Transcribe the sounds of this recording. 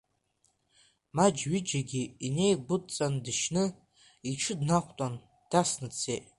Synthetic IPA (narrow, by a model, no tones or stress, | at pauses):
mad͡ʒɥid͡ʒaɡʲiine̞jɡʷʊtt͡sʼandɨʃnɨ | iʈ͡ʂʰɨdnaqʷʰʼtʷʼan | d̥asnɨt͡sʰejtʼ